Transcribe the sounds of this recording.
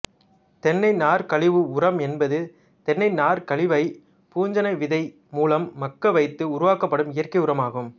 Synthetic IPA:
t̪ɛnːɐɪnaːɾkɐɭɪʋɯʊrɐmɛnbɐðɯ | t̪ɛnːɐɪnaːɾkɐɭɪʋɐɪ | puːɲd͡ʒɐnɐɪʋɪðɐɪ | muːlɐmːɐkːɐʋɐɪt̪ːɯʊɾʊʋaːkɐpːɐɽɯmɪjɐrkɐɪʊɾɐmaːɣɯm

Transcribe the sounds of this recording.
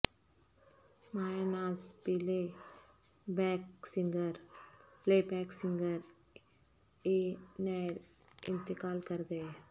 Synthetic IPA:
maːjanaːspile | bɛksɪ̃ŋɡəɾpleːbɛːksɪ̃ŋɡəɾ | eːnaɾ | ɪ̰̃nt̪ɪkaːlkɐɾɡɐe

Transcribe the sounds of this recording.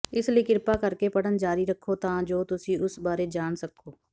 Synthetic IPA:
ɪslikɪɾpakəɾkepəɽənd͡ʒaːɾiɾəkʰːot̪ãːd͡ʒoːt̪ʊsĩːʊsbaːɾed͡ʒaːnsəkʰːoː

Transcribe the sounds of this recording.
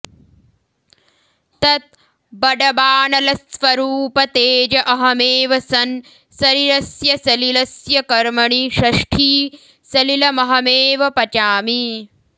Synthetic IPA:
t̪ɐt̪̚ | bɐɖɐbaːnɐlɐsʋɐɾuːpɐt̪eːd͡ʒɐʔɐɦɐmeːʋɐsɐn | sɐɾiɾɐsjɐsɐlilɐsjɐkɐɾmɐɳiʃɐʂʈʰiː | sɐlilɐmɐɦɐmeːʋɐpɐt͡ʃaːmi

